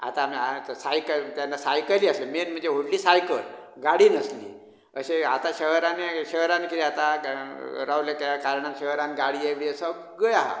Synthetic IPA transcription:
a̰t̪amsajkəlt̪janːasajkəliasemenm̤əɳd͡zeɦoɽliːsajkəl | ɡaɽiːnəslḭː | əɕea̰t̪aɕəɦɾaneɕəɦɾankid̪iat̪a | ɾawlekakaɾɳanɕəɦɾãnɡaɽijeʋiəsə | ɡəjaɦa̰

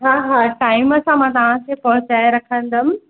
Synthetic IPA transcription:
ɦaːɦaːʈaːɪməsãmãːt̪ɐʋ̤ãkʰepɐɦʊt͡ɕaːeɾɐkʰə̃nd̪m̆

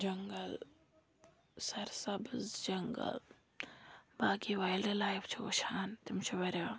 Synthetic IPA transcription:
d͡ʒɐŋɡɐl | sɐɾsɐbzd͡ʒɐŋɡə̰l | baːkiːʋaːjldelaːjft͡ʃʰio̰ʃʰaːnt̪ɪmt͡ʃʰiʋɐɾʲaː

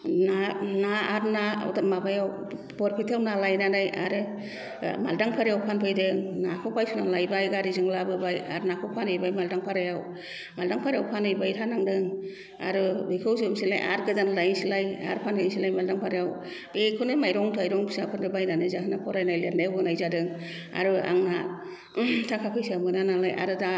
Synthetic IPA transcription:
nanaaɾna̰wtamabajaw | bɔɾpʰitʰawnalajnanaja̰ɾɯ | ma̰ldaŋpʰaɾiawpʰanpʰɯjdɯŋnakʰɔpʰajtʰunalajbajɡaɾizɯŋlabɯbaja̰ɾnakʰɔwpʰanhɯjbajmaldaŋpʰaɾajaw | maldaŋpʰaɾjawpʰanhɯjbajtʰanaŋdɯŋ | a̰ɾɯbɯkʰɯwsɯmsilajʔa̰ɾɡɯzanlajnsilaja̰ɾpʰanpʰajnsilajmaldaŋpʰaɾijaw | ekʰɯnɯmajɾɔŋtʰajɾɔŋbisapʰɯndɯbajnanɯzaɦɯnapʰɔɾajnajlendajawbɯnajzadɯŋ | a̰ɾɯa̰ŋna | tʰakʰakʰɯjsiamɯnanalajʔa̰ɾɯda

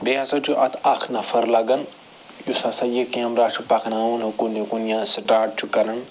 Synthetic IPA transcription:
beɐsɐt͡ʃʰuʔɐt̪ʰɐkʰnɐfɐɾlɐɡɐn | jusɐsɐjikiɐmɾaːʃupɐkʰnaːunɐkunikunijãsʈaːɾʈ̚t͡ʃʰukɐnɐn

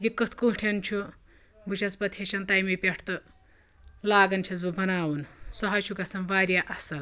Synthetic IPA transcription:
jikɐt̪ʰkũːʈʰent͡ʃʰu | but͡ʃʰɐsbɐt̪ʰjet͡ʃʰɐnt̪ajmipʲeʈʰt̪ɨ | laːɡɐnt͡ʃʰɐzbɨbɐnaːwunsɐɦɐt͡ʃʰukɐsɐnʋaːɾʲjaʔɐsɐl

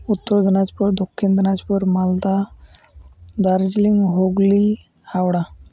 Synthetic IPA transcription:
ut̪ːəɾd̪inat͡spəɾd̪okʰːind̪ənat͡spəɾmald̪a | d̪aɾd͡ʑliŋɡɦoɡli | hawɽa

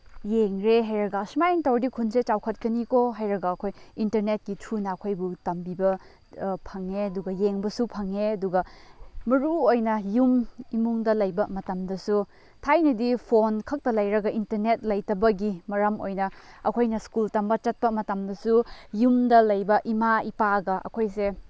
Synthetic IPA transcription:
jeŋɾeɦajɾɐɡɐsmajŋtɐwɾdikʰunset͡ʃawkʰɐt̚kɐnikoɦajɾɐɡɐːkʰojintɐɾnet̚kitʰunɐːkʰojbutɐmbibɐ | pʰɐŋeɐduɡɐjeŋbɐsupʰɐŋeɐduɡɐmɐɾuojnɐjumimuŋdɐlɐjbɐmɐtɐmdɐsu | tʰajnɐdipʰonkʰɐk̚tɐlɐjɾɐɡɐintɐɾnet̚lɐjtɐbɐɡimɐɾɐmo̰jnɐ | ɐkʰojnɐskultɐmbɐt͡ʃɐt̚pɐmɐtɐmdɐsujumdɐlɐjbɐʔimaipaɡɐʔɐ̰kʰojse

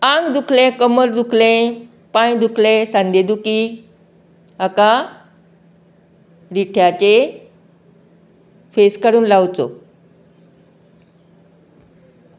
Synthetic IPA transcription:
ãŋɡd̪ukʰlẽkəməɾd̪ukʰlẽ | pajd̪ukʰlẽsãnd̪ʱed̪uki | aka | ɾiʈʰjat͡ɕe | feskəɾuːnlawt͡so̰

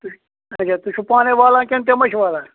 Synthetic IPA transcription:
t̪u | ɐt͡ʃʰaːt̪uʃʰupaːneʋaːlãːkent̪emɐʃʰʋaːlãː

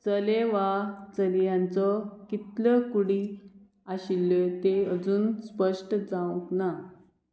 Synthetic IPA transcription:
t͡səleʋat͡səljãnt͡sɔkit̪ləkuɽi | aɕilːət̪eəd͡zuːnspəʂʈd͡zãũŋkna

